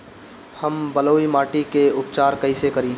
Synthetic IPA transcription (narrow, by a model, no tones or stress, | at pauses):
hɐmbɐloːimaːʈikeʊp̚t͡ʃaːɾkɐisekɐɾiː